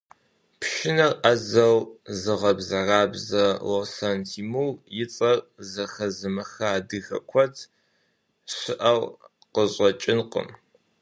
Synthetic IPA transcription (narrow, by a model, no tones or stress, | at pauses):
pʰʃɪnɐrʔɐzɐwzɨʁɐbzɐraːbzɐwosantʰiːmuwjɪt͡sʼɐrzɐxɐzɨmɐxɐːdɨxɐ̰kʷʰɔtʰ | ɕɪʔɐw | qəɕʼɐt͡ʃʼɪnqə̰m